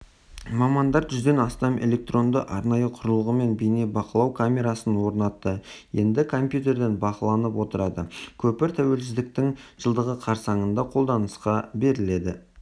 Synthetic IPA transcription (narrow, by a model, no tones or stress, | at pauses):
mɑmɑnd̪ɑɾʒʏzd̪e̞nɑst̪ɑmʔe̞̰lʲe̞k̚t̪ro̞nd̪əʔɑɾnɑjəqʰʊɾəlˠəʁəme̞nbeijne̞bɑqəlˠɑwkʰamʲe̞ɾɑsənwo̞ɾnɑt̪ːəje̞̰nd̪ɪkʰo̞mpjut̪̬ʲe̞ɾd̪e̞nbɑqəlˠɑnəpwo̞t̪əɾɑd̪əkʲʰɵpɪɾt̪ʰæwe̞lsɪzd̪ɪk̚t̪ɪŋʒ̥əlˠd̪əʁəqʰɑɾsɑɴənd̪ɑqʰo̞lˠd̪ɑnəsqɑbe̞ɾɪle̞d̪ɪ